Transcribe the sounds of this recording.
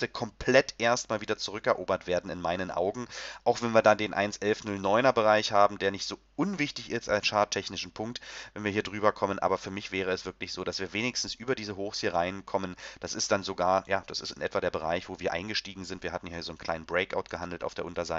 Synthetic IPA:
təkʰɔmpʰlɛtʔeːɐstmaːlviːdɐt͡suʁ̞ʏkɛɐʔoːbɐtv̥eːɐdn̩ɪ̰nmaɪnənʔa̰ʊɡŋ̩ʔaʊxv̥ɛnviɐdandeːnʔa̰ɪnsʔɛlfnʊlnɔʏnɐbəʁaɪçhaːbm̩deːɐnɪçtz̥oːʔʊnvɪçtɪçɪstaɪsʃaɐttʰɛçnɪʃn̩pʰʊŋk̚tvɛnviːiːɐdʁyːbɐkʰɔmənʔa̰ːbɐfyːɐmɪçv̥ɛːʁ̞əɛsv̥ɪɐklɪçz̥oːdasv̥iːɐveːnɪçstn̩sʔyːbɐdiːzəɦoːxshiːɐʁaɪnkʰɔmənd̥asɪstd̥anzoɡaːɐjaːd̥asɪstɪ̰nʔɛtv̥adeːɐbəʁ̞a̰ɪçv̥oːviːɐʔaɪnɡəʃtiːɡŋ̩zɪntv̥iːɐɦatn̩jaːhiɐzoːn̩kʰl̥aɪnnbʁɛɪkʔa̰ʊt̚ɡ̥əɦandl̩ta̰ʊfd̥eɐʊntɐzaɪ

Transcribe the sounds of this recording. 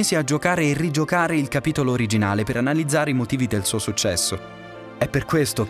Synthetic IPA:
eːsiad͡ʒːokaːɾeːrːid͡ʒokaːɾeilkapiːt̪oloːɾid͡ʒinaːlepeɾanalid̪zːaːɾeimot̪iːvid̪elsuːosut͡ʃːɛsːo | ɛpːerkwest̪o

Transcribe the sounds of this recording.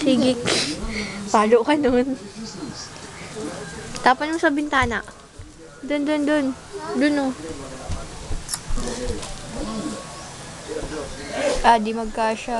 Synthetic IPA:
siɡɪk | paːlokɐnon | t̪aːpɐjʊsɐbɪnt̪aːnaʔ | d̪ond̪ond̪on | d̪ʊno | ʔad̪imɐɡ̚kaʃa

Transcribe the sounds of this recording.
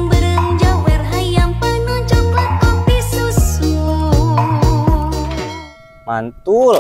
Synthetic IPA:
ŋbəɾəŋd͡ʒawɛrɦajampənɔt͡ʃɔŋləkɔmpisusu | ma̰nt̪ul

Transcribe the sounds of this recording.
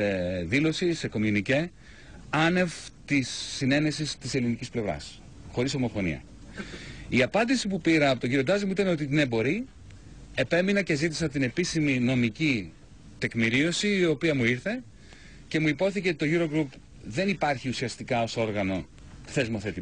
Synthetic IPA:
eðilo̞sise̞ko̞minice̞ | ɐne̞vt̪isːine̞ne̞sist̪ise̞linicisple̞vɾɐ̰s | xo̞ɾiso̞mo̞fo̞nḭɐ̰ | iɐpɐnd̪isipupiɾɐːpo̞t̪oɟiɾio̞d̪ɐzimuit̪ɐneot̪inebo̞ɾi | e̞pe̞minɐce̞zit̪isɐt̪ine̞pisimino̞mici | t̪e̞kmiɾio̞siːo̞piɐmuiɾθe̞ | ce̞muipo̞θiceot̪it̪o̞ʝuɾo̞ɡɾup | ðe̞nipɐɾçiusiɐst̪ikɐo̞so̞ɾɣɐno̞ | θe̞zmoθe̞t̪i

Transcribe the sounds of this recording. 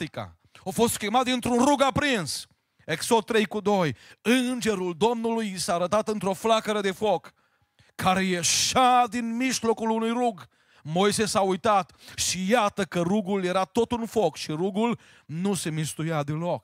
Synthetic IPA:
ika̰ | ofo̞st̪kemat̪d̪int̪ɾunruɡapɾins | eksod̪̚t̪ːɾe̞jkud̪o̞jɨnd͡ʒe̞ɾuld̪o̞mnulujisaːɾət̪at̪ɨnt̪ɾo̞flakəɾəd̪e̞fokːʰ | aɾejeʃad̪inmiʃlo̞kulunujɾuɡ | mojsesaujt̪at̪ʃijat̪əkəɾuɡulje̞ɾat̪o̞t̪unfokʃiɾuɡul | nuse̞mist̪ujad̪ilo̞k

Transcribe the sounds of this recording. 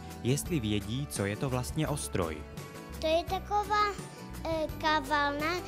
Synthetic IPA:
jɛst̪livjɛɟiːt͡sojɛt̪ovlast̪ɲɛʔost̪ɾo̰j | t̪ojɛt̪akovaː | kavalna

